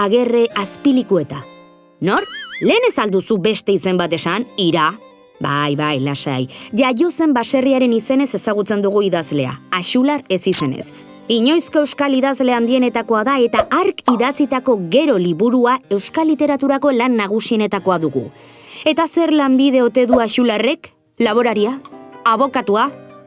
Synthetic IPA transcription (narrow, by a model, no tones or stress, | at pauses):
aɣ̞e̞re̞aspilikue̞t̪a | no̞ɾle̞ːne̞sald̪usube̞st̪e̞ise̞mbat̪e̞saniɾa | bajβajlasa̰jʝaʝo̞se̞mbase̞riaɾe̞nise̞ne̞se̞saɣ̞ut͡se̞nd̪uɣ̞uiðazle̞a̰ːʃulaɾe̞sise̞ne̞̰s | iɲo̞jsko̞e̞wskaliðazle̞and̪ie̞ne̞t̪ako̞aðae̞t̪aʔaɾkiðat͡sit̪ako̞ɣe̞ɾo̞liβuɾuae̞wskalit̪e̞ɾat̪uɾako̞lanːaɣ̞usie̞ne̞t̪ako̞aðuɣṵ | e̞t̪ase̞ɾlambiðe̞o̞t̪e̞ðuaʃulare̞k | laβ̞o̞ɾaɾiaːβ̞o̞kat̪ua